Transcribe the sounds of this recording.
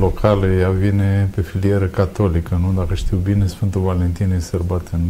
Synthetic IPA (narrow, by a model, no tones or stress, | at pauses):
lokʰalejavine̞pe̞filijeɾəkat̪o̞likənud̪akəʃt̪iwbine̞sfɨnt̪uvalent̪inesərbat̪en